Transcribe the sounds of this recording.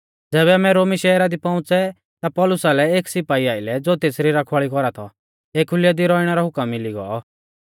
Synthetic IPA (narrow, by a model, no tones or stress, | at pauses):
d͡zɛːbɛmɛɾoːmiʃɛːɾad̪ipɔ̃ʊ̃t͡sɛ | t̪apɔlʊsalɛeːksɪpaːiaːɪlɛd͡zoːt̪eːsɾiɾakʰaːɭikɔɾat̪ʰɔ | eːkʰʊlɪjad̪iɾɔːiɽ̃ɛɾaɦʊkəmːiliɡɔ̰ɔ